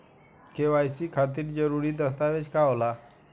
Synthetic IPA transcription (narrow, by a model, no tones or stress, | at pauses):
keʋajsikʰat̪iːɾd͡ʒəɾuɾiːd̪əst̪aʋed͡ʑkaola